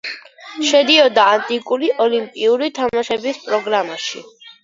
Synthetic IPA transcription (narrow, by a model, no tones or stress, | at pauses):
ʃɛd̪iɔd̪aːnt̪ʼikʼuliʔɔlimpʼiuɾit̪ʰamaʃɛbispʼɾɔɡɾamaʃḭ